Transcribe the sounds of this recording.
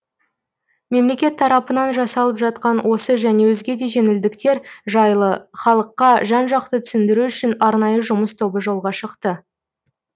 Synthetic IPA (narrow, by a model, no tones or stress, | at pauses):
me̞mle̞kʲe̞t̪ʰːɑɾɑpənɑnʒɑsɑlˠəpʒɑt̪̚qɑnwʔo̞səʒæne̞wɵzɡʲe̞d̪e̞ʒe̞nɪld̪ɪkt̪e̞ɾʒəχɑlˠəqːɑʒɑnʒɑq̚t̪ət̪ʰʏ̥sɪnd̪ɪɾuʏʃɪnɑɾnɑjəʒʊməst̪ʰo̞bəʒo̞lˠʁɑʃəqt̪ə